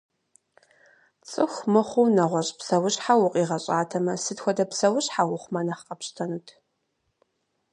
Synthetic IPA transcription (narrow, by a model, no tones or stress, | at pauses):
t͡sʼɨxʷmɨχʷʊwnɐʁʷɔɕʼpsɐwʊɕʼħawʊqʼiːʁɐɕʼaːtʰɐmɐsɨtxʷɔdɐpsɐwʊɕʼħawʊχʷmɐnɐχqʼɐpɕtʰɐnutʰ